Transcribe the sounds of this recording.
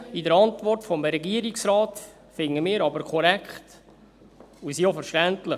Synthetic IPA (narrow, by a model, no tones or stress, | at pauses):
idəɾɑntvɔrtfɔmɾɛɡiːəɾiksɾɑːt | fɪŋəmɪːɾɑbəɾkʰɔɾɛkχt | usiofəɾʃtæntlə